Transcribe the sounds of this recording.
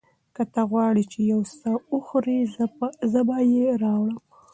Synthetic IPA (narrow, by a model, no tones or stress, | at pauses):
kət̪aɣwɑɽit͡ʃejawsauxɾizəbajeɾɑwɽəm